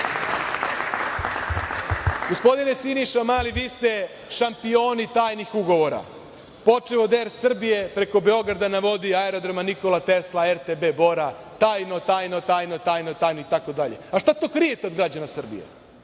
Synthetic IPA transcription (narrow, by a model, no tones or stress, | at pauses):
ɡ̥ospo̞d̪ine̞siniʃamaːliʋiːst̪e̞ | ʃampio̞ːnit̪aːjnixuɡo̞ʋo̞ɾa̰ | po̞t͡ʂeʋo̞d̪eɾsr̩bije̞pɾe̞ko̞be̞o̞ɡɾad̪anaʋo̞d̪iaeɾo̞d̪ɾamaniko̞lat̪e̞slaeɾt̪ebe̞bo̞ɾa | t̪aːjnot̪aːjnot̪aːjnot̪aːjnot̪aːjnoit̪ako̞d̪aʎeaʃt̪at̪o̞ːkɾije̞t̪eo̞d̪ɡɾad͡ʑanasr̩bḭjḛ